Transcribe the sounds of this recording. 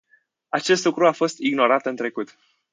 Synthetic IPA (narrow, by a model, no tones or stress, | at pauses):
at͡ʃe̞st̪lukɾuafo̞st̪iɡno̞ɾat̪ɨnt̪ɾe̞kut̪